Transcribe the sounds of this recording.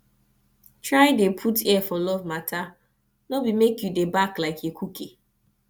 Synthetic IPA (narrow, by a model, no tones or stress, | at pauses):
tɹaɪdepʰutʰɛfɔlɔvmatʰa | nobimekjudebaklaɪkʰekʰukʰe